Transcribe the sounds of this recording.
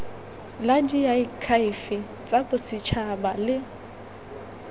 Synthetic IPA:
lad͡ʒijaikʰaɪfɪ | t͡sʼabʊsit͡ʃʰabalɪ

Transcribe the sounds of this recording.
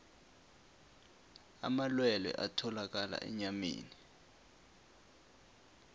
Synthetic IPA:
a̰malwɛlɛ̰ʔatʰɔlak̬ala̰ʔɛ̰ɲamḛːni

